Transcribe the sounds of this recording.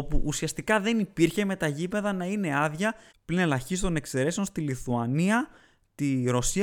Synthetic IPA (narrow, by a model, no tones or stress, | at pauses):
opuʔːsiɐst̪ikɐðe̞nipiɾçe̞me̞t̪ɐʝipe̞ðɐnɐine̞ɐðʝɐ | pline̞lɐçist̪o̞ne̞kse̞ɾe̞seo̞nst̪iliθuɐniɐ | t̪iɾo̞si